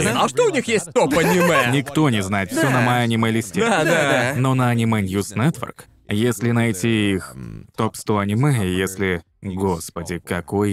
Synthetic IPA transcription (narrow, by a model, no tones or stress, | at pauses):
ɐʂt̪oʊnʲixjesʲt̚ʲt̪opɐnʲɪmɛnʲɪkt̪o̞nʲɪznajɪt̪fssʲonɐmɐjɐnʲɪmɛlʲɪsʲtʲead̪anonɐɐnʲɪmɛnjusnɛt̪vʲɛ̰rk | jesʲlʲɪnɐjtʲiixt̪opst̪oɐnʲɪmɛjesʲlʲɪ | ɡospədʲɪkɐkoj